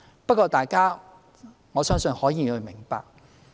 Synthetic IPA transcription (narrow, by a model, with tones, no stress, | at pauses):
pɐ˥t̚kʷːɔː˧t̪aː˨˩jkaː˥ | ŋɔː˨˧sœː˥ŋsɵ˧nhɔː˨˥jiː˨˧hɵ˨˧mɪ˨˩ŋpa̰ː˨k̚